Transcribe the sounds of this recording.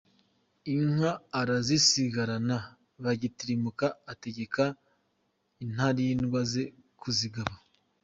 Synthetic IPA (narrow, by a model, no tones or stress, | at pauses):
iŋaːɾazisiɡaɾana | βaɟitiɾimukaːte̞ɟe̞ka | in̥haɾinɡwaze̞ | kuziɡaβa